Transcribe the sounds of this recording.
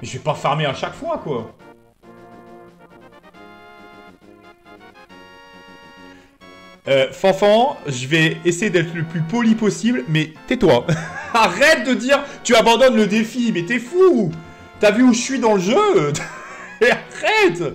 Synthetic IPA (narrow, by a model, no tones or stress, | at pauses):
mɛʒəvɛpafɛʁmeaʃakfwakwa | øfɑ̃fɑ̃ʒəvɛesejed̪ɛt̪χləplypɔlipɔsiblmɛt̪ɛt̪waaʁɛt̪̚d̪əd̪iːʁt̪yabɑ̃d̪ɔnləd̪efimɛt̪ɛfu | t̪yavyuʒəsɥid̪ɑ̃ləʒø | aʁɛt̪